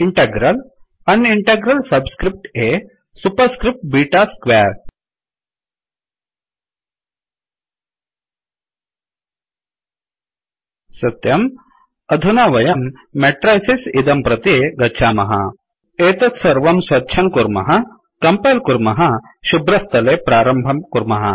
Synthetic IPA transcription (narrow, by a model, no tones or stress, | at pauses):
iɳʈeɡɾɐl | ɐniɳʈeɡɾɐlsɐbskɾip̚ʈe | supɐɾskɾip̚ʈ̚biːʈaskʋeːɾ | sɐt̪jɐm | ɐd̪ʱunaʋɐjɐmː | ɛʈɾajsisid̪ɐmpɾɐt̪eɡɐtːʃʰaːmɐɦɐ̰ | eːt̪ɐt̪sɐɾʋɐmsʋɐtːʃʰɐŋkuɾmɐ̰ɦɐ | kɐmpajlkuɾmɐɦɐ | ɕubɾɐst̪ɐlepɾaːɾɐmbʱɐmkuɾmɐɦɐ̰